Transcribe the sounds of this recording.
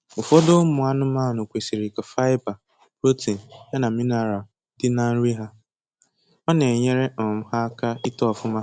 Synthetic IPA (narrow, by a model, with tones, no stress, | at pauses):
ʊ˨fɔ˦do˦mʊ˨a˦nʊ˦maː˦˨nʊ˨kʷe˨si˨ɾi˨ka˨fa˦ɪ˦ba˨ | ɾo˦te˨n̩˨ja˦na˨mi˦na˨ɾa˨ | dɪ˦na˦n̩˦ɾi˦ɦa˦ | ɔ˦ne˨ɲe˦ɾe˦˨m̩˦ha˦ka˦i˦tɔ˦˨fʊ˦ma˦